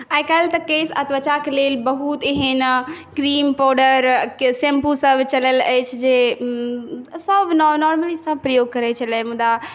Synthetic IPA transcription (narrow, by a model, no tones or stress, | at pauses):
aɪkaːlt̪ɐkeːsɐt̪ʋɐt͡ʃakleːlbɐɦut̪iɦenkɾiːmpɔːɾɖəɾsẽmpusɐbʱt͡ɕɐləlɛt͡ʃʰɪd͡ʑeː | sɐbʱnɔːnɔːɾməlisɐ̃bʱpɾɐjoːɡ̚kɐɾet͡ɕʰɐləmũd̪a